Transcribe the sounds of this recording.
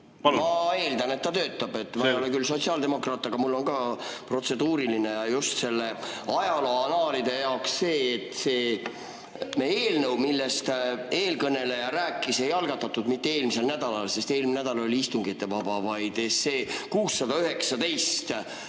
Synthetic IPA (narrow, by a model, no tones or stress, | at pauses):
pmɑe̞ːld̪ɑne̞t̪ːɑt̪ø̞ːt̪ːˑɑb̥e̞t̪ːˑvɑjolekylso̞t̪siɑːld̪e̞mo̞krɑːt̪ːˑɑɡ̥ɑmulːo̞nkɑːpro̞t̪se̞d̪̥uːɾiline̞jɑjust̪se̞lːe̞ɑjɑloɑnɑːlid̪̥e̞jɑoksse̞ːt̪se̞ː | meeːlnəwmilːest̪e̞ːlkɤne̞lejɑɾæːkːˑise̞jɑlɡ̥ɑt̪ːɑt̪ːˑud̪mit̪ːe̞e̞ːlmise̞lnæd̪̥ɑlɑlse̞st̪e̞ːlmnæd̪̥ɑlɑoliist̪uŋɡ̥it̪ːe̞vɑbɑvɑjd̪̥esːe̞ːkuːsːɑd̪ɑyɦe̞ksɑd̪e̞jst̪